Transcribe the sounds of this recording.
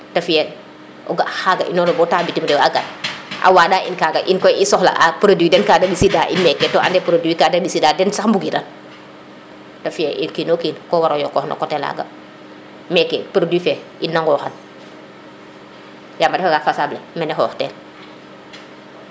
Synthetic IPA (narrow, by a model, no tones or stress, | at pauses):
tɐfijɛl | ɔɡaxaɡaʔḭnɔnobɔtaːbitimdɛaɡanʔa̰waːdaːʔinkaɡaʔinkɔisɔxla̰ʔapɾoduwidɛnkaːdabisidaʔimɛkːɛtɔʔa̰ndɛpɾodwikadabisidaːdɛnsahmbuɡiɾan | tɐfijɛʔinkinokiːnkɔwaɾojɔkɔhna̰kɔtɛla̰ɡa̰ | mɛkːɛpɾodifɛ | inːaŋɡɔːxan | jamadɛfaɡafasaːblemɛnɛxɔ̰ːxtɛ̰ːl